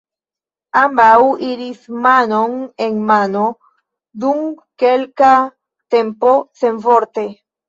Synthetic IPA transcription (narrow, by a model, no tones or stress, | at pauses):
ambawiɾismano̞neŋmano̞ | d̪um | kelka | t̪empo̞se̞nfoɾt̪e